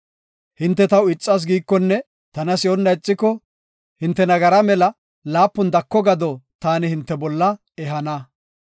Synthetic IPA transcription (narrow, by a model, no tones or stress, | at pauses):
hɪnt̪ːɛt̪ɐwɪt͡sʼːas̬ɡiːkːɔnːɛ | t̪ɐnɐsɪɔnːɐɪt͡sʼːɪkːɔ | hɪnt̪ːɛnɐɡɐɾɐmɛlɐ | laːpːʊnd̪ɐkːɔɡɐd̪ɔt̪aːnɪhɪnt̪ːɛbɔlːɐ | ɛɦɐna